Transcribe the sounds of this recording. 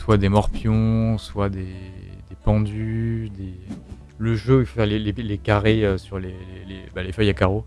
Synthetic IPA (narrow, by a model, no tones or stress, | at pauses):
swad̪emɔʁpjɔ̃swad̪ed̪epɑ̃d̪yd̪e | ləʒøifo̥fɛʁlelelekaʁeøsyʁlelelebalefœjakaʁo